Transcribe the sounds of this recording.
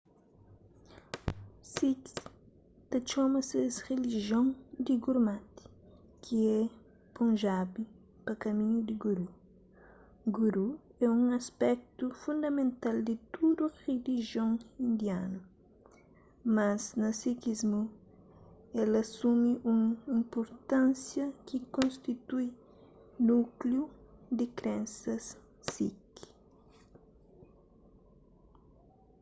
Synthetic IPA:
siks | t̪ɐt͡ʃɔmɐsesreliʒjõŋd̪iɡuɾmat̪i̥ | kʰiɛ | põnʒabi | pɐkɐmĩɲud̪iɡuɾu | ɡuɾuɛũŋɐspɛk̚t̪ufũnd̪ɐmẽnt̪ald̪it̪ud̪ureliʒiõŋĩnd̪jãnu | maznɐsikizmu | ɛlɐsumiʔũŋĩmpoɾt̪ãnsjɐkikõnst̪it̪uj | nukljud̪ɪkɾẽnsɐs | sːik

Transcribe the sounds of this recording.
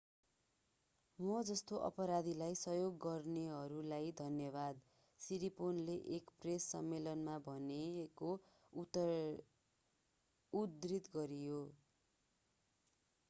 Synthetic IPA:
mʌd͡zʌst̪oʔʌ̰pʌɾad̪ʱilajsʌjoɡːʌrneɦʌɾulajd̪ʱʌnjʌbad̪ | siɾiponleʔekpresːʌ̰mːelʌnmabʱʌneko | ud̪rit̪ɡʌɾijo

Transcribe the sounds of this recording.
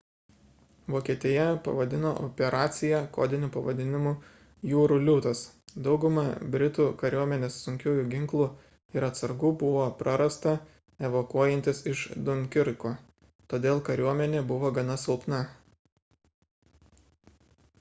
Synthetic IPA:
ʋoːkʲiɛt̪ʲɪjɛpɐ̰ʋɐd̪ʲɪnoːʔopʲɛɾʔɑːt̪sʲɪjɛko̰ːd̪ʲɪnʲʊpɐʋɐd̪ʲɪnʲɪmuː | juːɾuːlʲut̪ɐsd̪ɒʊɡʊmɐbʲɾʲɪt̪uːkɐɾʲuɔmʲɛnʲeːsːʊŋʲkʲuːjuːɡʲɪŋklˠuː | ɪɾɐt̪sɐɾɡuːbʊʋoːpɾʔɐɾɐst̪ɐ | ɛʋokuɔjɛnt̪ʲɪsɪʃd̪ʊŋʲkʲɪɾkoː | t̪oːd̪ʲeːlˠkɐɾʲuɔmʲɛnʲeːbʊʋoːɡɐnɐsʲɪlˠpnɐ

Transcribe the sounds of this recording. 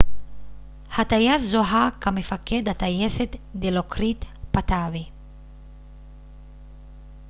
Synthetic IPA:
hat̪ajaszoɦakamefaked̪at̪ajeset̪d̪elokɾit̪pat̪aβe

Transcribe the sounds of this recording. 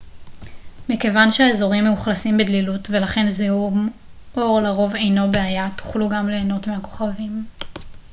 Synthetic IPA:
mikevanʃeaezo̞ʁimːeuχlasimbedlilutve̞laχe̞nzeumo̞ʁlaʁo̞ve̞jno̞beajatu̥χluɡamleːno̞tmeɦako̞̥χavim

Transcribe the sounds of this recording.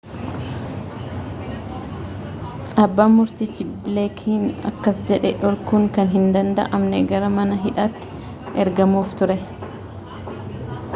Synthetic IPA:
ʔɐbːaːmːʊɾt̪it͡ʃɪblɛkʰiːnɐ̰kːɐsd͡ʒɛᶑɛᶑɔɾkuːŋkɐnɦɪnd̪ɐnd̪ɐ̰ʔɐmnɛɡɐɾɐmɐnɐɦɪᶑaːt̪ːɪ̥ | ʔɛɾɡɐmuːft̪ʊɾɛ

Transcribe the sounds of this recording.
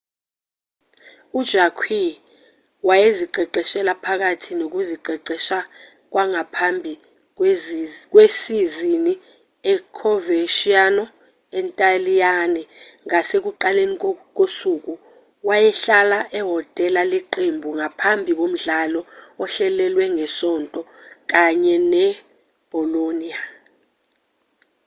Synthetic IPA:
ud̥ʒ̥ʱakʰwi | wajeziǃʱɛǃʱɛʃɛlapʰak̬atʰinok̬uziǃʱɛǃɛʃa | k̬waŋapʰambʱi | k̬ʼwesizini | ɛkʰɔveʃianɔ | ɛntʼalijanɛŋasek̬uǃalenik̬ʼosuk̬ʼu | wajɛɬalaʔɛɦɔtʼɛlalɛǃembʱuŋapʰambʱik̬ʼom̩ɮalɔɔɬɛlɛlwɛŋɛsɔntʼɔk̬ʼaɲɛnɛ | b̥ʱɔlonia

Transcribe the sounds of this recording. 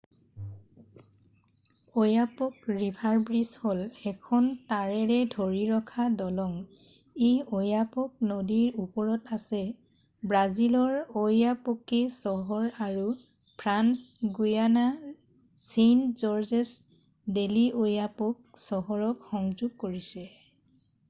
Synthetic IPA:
ojapɔkɹibʱaɹbɹisholɛkʰɔntaɹɛɹɛdʱoɹiɹɔkʰadɔlɔŋ | eojapɔk̚nodiɹupɔɹɔtasɛ | bɹazilɔɹojapokesɔɦɔɹaɹu | pʰɹansɡujana | senzɔɹzɛs | deliʔojapok̚sɔɦɔɹɔkxɔŋzuɡ̚koɹisɛ

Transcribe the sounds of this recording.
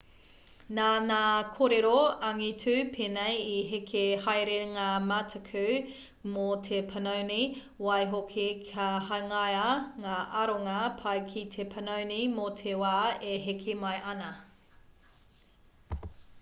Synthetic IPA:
naːnaːkʰoɾeɾoɐŋitʰʉpʰeːnejiɦekʰehɐjɾeŋaːmatʰɐkʰʉ | motʰepʰɐnɐwni | wɐjɦokʰikʰɐɦɐŋajaŋaːʔɐɾoŋɐpʰɐjkʰitʰepʰɐnownimotʰewaːeɦekʰemɐjʔɐnɐ

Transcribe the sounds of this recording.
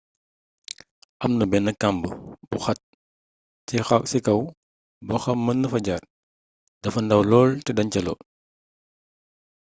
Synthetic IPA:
ʔɐmnɐbɛnɐkːambəbuxɐt̚ | sɛxaksikɐw | bɔxɐmːɐnːɐfɐɟaːr̚ | dɐfɐndɐwlɔːltɛdɐɲcɐlɔ̰

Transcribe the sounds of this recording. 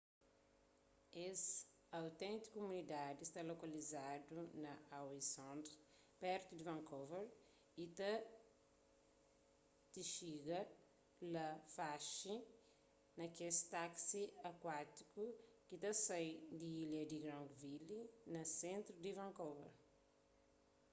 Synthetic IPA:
es | awt̪ẽnt̪i̥kumunid̪ad̪ist̪alokɐlizad̪unɐawisõnt̪ | pɛɾt̪ud̪ivɐ̃ŋkoveɾ | it̪ɐ | t̪iʃiɡɐ | lɐfaʃi | nɐkest̪aksiɐkwat̪ikukit̪ɐsajd̪iilɐd̪iɡɾãŋɡvilinɐsẽnt̪ɾud̪ivɐ̃ŋkovḛɾ

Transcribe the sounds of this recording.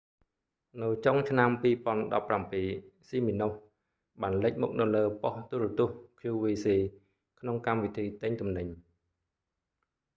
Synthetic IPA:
nɨwt͡ɕoŋt͡ɕʰnampiːpŏənɗɑ̰pːrampiːsiːminuh | ɓaːnləc̚muk̚nɨwləːpoht̪urɔt̪ʊ̆əhkʰjuːʋiːsiː | kʰnoŋkamʋit̪ʰiːt̪əɲt̪umnɨɲ

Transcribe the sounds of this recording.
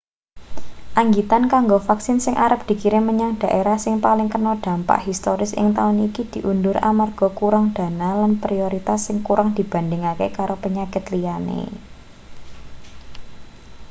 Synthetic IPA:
ʔaŋɡit̪ankaŋɡofaksɪnsɪŋʔaɾəp̚d̪̥i̤kiɾɪnməɲaŋd̥a̤ʔeɾahsɪŋpalɪŋkənɔd̥ä̤mpa̰ʔɦist̪oɾɪsɪ̰ŋt̪aʊnikid̪̥i̤ʔundʊɾa̰marɡ̥ɔ̤kuɾaŋd̪̥a̤nalanpɾioɾit̪asːɪŋkuɾʔaŋd̪̥i̤b̥a̤ndɪŋakekaɾopəɲakɪt̪lijanḛ

